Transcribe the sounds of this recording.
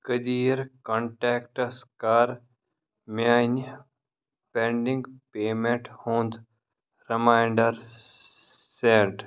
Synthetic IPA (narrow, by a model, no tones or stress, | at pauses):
kəd̪iːɾkoːɳʈeːkʈɐskaːɾ | maːn | pẽɳɖĩŋɡpeːmẽɳʈhõːnd̪ | ɾɪmaːjɳɖəɾ | seːʈ